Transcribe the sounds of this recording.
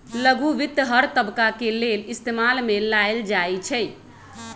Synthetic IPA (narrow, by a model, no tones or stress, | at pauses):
ləɡuʋit̪ːɦəɾt̪əbkakelelist̪emalmelaeld͡ʒajt͡ʃʰɛ